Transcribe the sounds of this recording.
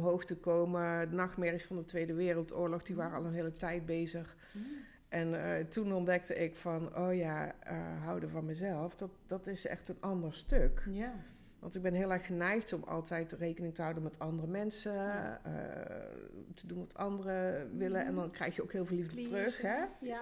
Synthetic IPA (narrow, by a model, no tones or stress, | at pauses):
ɔmɦowxtəkowmədənɑxtmɛɹɪsfɑndətʋejdəʋɪːrəlˠtʊːɹlɔxdiʋaːrəɑ̰lˠənɦɪːlətɛjt̚bejzəx | ʔɛntunɔndɛk̚təɪkfɑno̰wjaə̰ɦɑwdəvɑnmɛzɛlˠfd̥ɑtd̥ɑtɪsɛ̰xtənʔɑndəɹstøk | ʋɑ̰ntɪɡ̚bɛnɦɪːlˠɛɹxxənɛjxtɔmɑ̰lˠtɛjtrejkənɪŋtəɦɑwdənmɛtɑndərəmɛnsəə̰ | tədunʋɑtɑndərəʋɪləʔɛ̰ndɑnkrɛjxjəo̰wkɦɪːlˠvɪːlivdətrøxɦɛ